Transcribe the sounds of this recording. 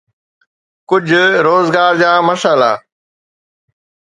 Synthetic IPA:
kʊd͡ʑʱɾoːzɡaːɾd͡ʑãːməʃaːla̰ː

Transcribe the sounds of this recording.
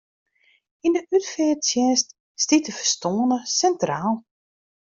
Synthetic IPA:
indəʔytfɛːsjɛnst | stitəfərstoənəsɛntraːlˠ

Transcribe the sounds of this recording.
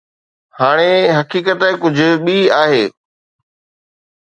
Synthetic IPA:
haːɽ̃eɦɐkiːkət̪ɪ̃kʊd͡ʑʱʊ̆ɓiaːɦeː

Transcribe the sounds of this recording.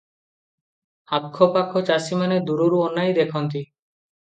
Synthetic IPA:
akʰːopakʰot͡ʃasimaned̪uɾuɾuonːajd̪ekʰɔnt̪i

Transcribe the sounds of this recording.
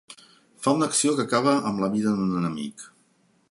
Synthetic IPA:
faunəksiokəkaβ̞əʔəmləβiðəðunənəmḭk

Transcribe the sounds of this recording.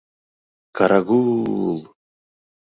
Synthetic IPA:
kaɾʔaɡul

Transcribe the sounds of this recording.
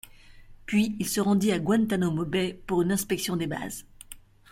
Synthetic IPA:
pɥiilsəʁɑ̃d̪iaɡwɛ̃nt̪anomɔbɛpuʁynɛ̃spɛksjɔ̃d̪eba̰z

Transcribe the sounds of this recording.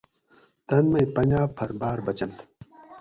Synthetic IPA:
t̪ɐnmɐjpɐnʲd͡ʑaːpʰɐɾbaːɾbɐt͡ɕɐnt̪

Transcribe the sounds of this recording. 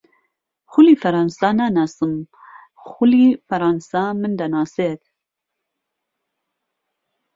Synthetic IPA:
xulifɐɾɑːnsɑːnanɑsɨm | xulifɐɾɑnsɑːmɨnd̪anɑːset̪

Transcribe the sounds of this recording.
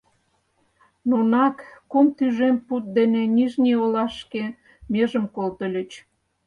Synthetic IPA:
nonɑkːomt̪yʒemput̪̚d̪enenʲiʒniolɑʃke | meʒəmkolt̪ə̆lʲə̆t͡ɕ

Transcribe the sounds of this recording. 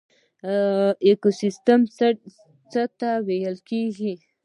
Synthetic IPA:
ekosist̪əm | t͡sət̪awejəlkeɡi

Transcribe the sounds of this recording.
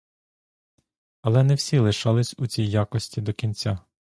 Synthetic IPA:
ɐlˠɛnɛwsʲilˠɪʃɑlˠɪsʲut͡sʲijːakɔsʲtʲid̪ɔkʲinʲt͡sʲa

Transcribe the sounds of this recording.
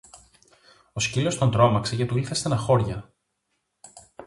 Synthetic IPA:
o̞scilo̞st̪o̞nd̪ɾo̞mɐksecet̪uiθe̞st̪enɐxo̞ɾʝɐ

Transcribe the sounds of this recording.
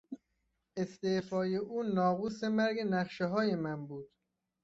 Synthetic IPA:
e̞st̪efɒːje̞ʔuːnɒːɣuːsemæɾɡenæχʃeɦɒːje̞mænbuːd̪̥

